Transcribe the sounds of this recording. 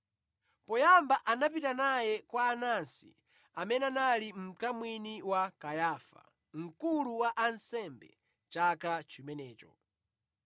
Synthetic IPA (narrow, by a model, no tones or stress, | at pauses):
pɔjambaʔanap̬itanajɛkwaːnansḭ | amɛnɛanalim̩kamwiniwakajaːfa̰ | ŋ̩kuluwaʔansɛmbɛ̰ | t͡ʃakat͡ʃimɛnɛːt͡ʃɔ̰